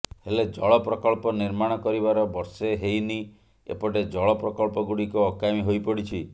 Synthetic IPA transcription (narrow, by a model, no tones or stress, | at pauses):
heled͡ʒɔɭɔpɾɔkɔɭpɔniɾmaɽ̃ɔkɔɾibaɾɔbɔɾseɦejni | ḛpɔʈed͡ʒɔɭɔpɾɔkɔɭpɔɡuɽikuɔkamiɦojpɔɽit͡ʃʰi